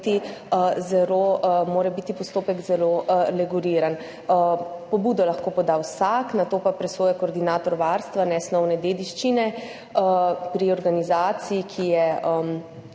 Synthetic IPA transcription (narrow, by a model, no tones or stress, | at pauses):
t̪iəzɛɾoːmoːɾɛbit̪ipɔst̪oːpɛkzɛlolɛɡuliːɾan | pɔbuːd̪ɔlaxkopɔd̪awsaknat̪oːpapɾɛsoːjɛkoːɾd̪inaːt̪ɔɾʋaɾst̪ʋanɛsnɔwnɛd̪eːd̪iʃt͡ʃinɛ | əpɾiɔɾɡanizaːt̪sijikʰijɛəm